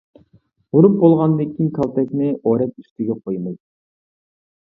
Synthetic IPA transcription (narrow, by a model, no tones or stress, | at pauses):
ʁuɾup̚bolˠʁɑnɨd̪ɨkʲʰːinkʰɑlˠt̪ʰɛkʲnɪʔoɾɛt̪yst̪ʰɪɡʲɛqʰojmɨj